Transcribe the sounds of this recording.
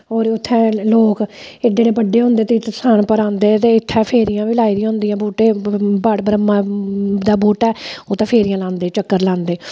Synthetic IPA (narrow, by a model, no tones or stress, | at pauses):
ɦoːɾʊt̪ʰːɛ̃ːloːkedeːɽeːbəɖːeːɦʊ̃nd̪eːt̪et̪saːnpəɾãːnd̪eːt̪eːɪt̪ʰːɛːpʰeːɾijãːʋiːlaːiːɾiɦʊ̃nd̪ijãːboːʈeːbaɽbəɾəmad̪aːboːʈɛːoːt̪ɛ̃ːpʰeːɾijãːlãːnd̪eːt͡ʃəkːəɾlãːnd̪eː